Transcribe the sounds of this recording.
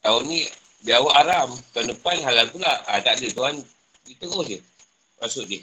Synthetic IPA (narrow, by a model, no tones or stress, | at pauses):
t̪auni | biawaʔaɾamt̪uandəpanɦalalpulaat̪aʔdət̪uɦan | dit̪əɡʊdi | masuʔdi